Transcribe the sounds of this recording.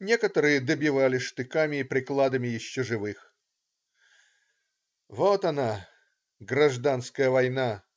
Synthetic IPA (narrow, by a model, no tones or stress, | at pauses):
nʲe̞kət̪əɾɨjəd̪əbʲɪvalʲɪʂt̪ɨkamʲɪːpɾʲɪklˠad̪əmʲɪjɪɕːʊʐɨvɨx | vot̪ɐna | ɡrɐʐd̪anskəjəvɐjna